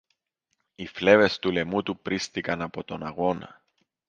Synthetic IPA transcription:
ifle̞ve̞st̪ule̞mut̪upɾist̪ikɐnɐpo̞t̪o̞nɐɣo̞nɐ̰

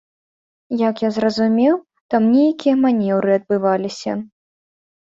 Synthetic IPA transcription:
jɐkjazrɐzumʲɛw | t̪amnʲejkʲijɐmanʲɛwɾɨɐd̪̚bɨvalʲisʲɐ̰

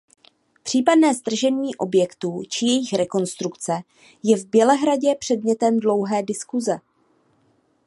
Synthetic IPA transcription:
pr̝̥iːpadnɛːzd̪r̩ʒɛnɲiːʔo̞bjɛkt̪uːt͡ʃɪjɛjɪxɾɛko̞nst̪ɾukt͡sɛ | jɛvbjɛlɛɦɾaɟɛpr̝̥ɛdmɲɛt̪ɛmdlo̞wɦɛːdɪskuzɛ

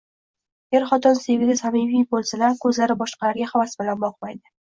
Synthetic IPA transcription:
jeɾχɒt̪ʰɒnsevɪɡʲasamivijbolˠsalaɾkʰɵzlaɾɪbɒʃqʰɑlaɾɡʲahavasbɪlanbɒqmajd̪ɪ

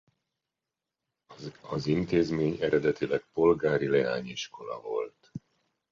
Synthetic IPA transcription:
ɒzint̪eːzmeːɲɛɾɛd̪ɛt̪ilɛk̚po̞lɡaːɾilɛaːɲiʃko̞lɒ̰vo̞lt̪

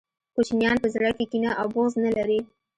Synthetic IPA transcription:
kut͡ʃinjɑnpəzɽakekinaʔawboznalaɾi

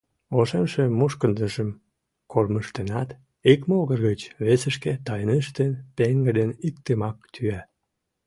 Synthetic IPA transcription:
oʃemʃemuʃkənd̪əʒəm | kʰorməʃt̪enɑt̪ | ikmoɣərɣət͡ɕβesəʃket̪ɑjənəʃt̪enpeŋɡəd̪enikt̪emɑk̚t̪ʰyæ

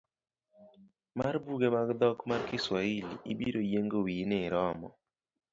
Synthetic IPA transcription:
marbuɡemaɡd̪ɔkmarkɪswailiibiɾojeŋɡowinɪɾɔmɔ̰

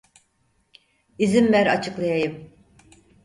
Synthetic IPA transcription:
izimvæɾa̰t͡ʃʰɯklˠajajɯm

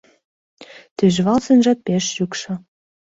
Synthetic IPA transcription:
t̪yʒβɑlsenʒɑt̪̚peʃjukʃɤ̆

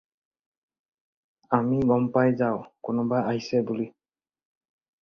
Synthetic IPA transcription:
amiɡɔmpajzaʊkʊnʊbaaɦisɛbuli

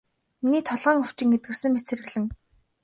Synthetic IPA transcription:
miniːt̪ʰɔɮʁœːŋɵw̥t͡ɕɪ̆ŋet̪̚ɡɘ̆rsɘ̆ŋmet͡sɘ̆rɘ̆ɣɮɘ̆ŋ

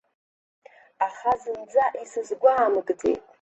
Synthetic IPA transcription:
aχazɨmd͡zaʔisɨzɡʷaːmɨɡʼd͡zʰḛjtʼ

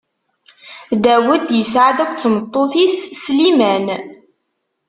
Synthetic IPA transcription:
ðæwəd̪jəsʕad̪ækʷt͡sːmət̪ˤːoθisslimæn

